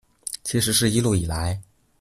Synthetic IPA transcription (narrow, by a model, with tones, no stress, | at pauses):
t͡ɕʰi˧˥ʂ̬ɻ̩˧˥ʂɻ̩˥˧i˥lu˥˩i˨˩la˧˥ɪ